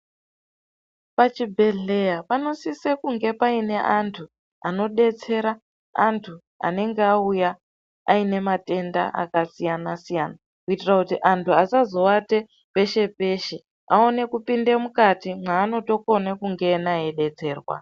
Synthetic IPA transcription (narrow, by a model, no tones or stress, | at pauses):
pat͡ʃibʱe̞ɮe̞japano̞sisekuŋɡe̞paine̞ʔantʰu | ano̞ɗe̞t͡se̞ɾa | antʰu | a̰ne̞ŋɡeauja | aine̞mate̞nda̰ʔa̰kasijanasijana | kuitirakutiʔantʰuasazo̞wate̞ | pe̞ʃe̞pe̞ʃe | ao̞ne̞kupinde̞mukatimaːno̞to̞ko̞nekuŋɡe̞naeɗe̞t͡se̞ːrwa̰